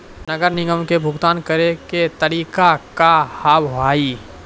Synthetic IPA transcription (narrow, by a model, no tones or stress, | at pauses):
nɐɡəɾnɪɡəmkebʱʊɡt̪aːnkɐɾeket̪ɐɾiːkakahaːbɦaːiː